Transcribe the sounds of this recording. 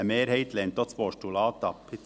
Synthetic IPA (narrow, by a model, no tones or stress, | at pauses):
əmeːɾheɪt̪lɛnt̪ɔspoːʃtulɑːt̪ɑpʰɪ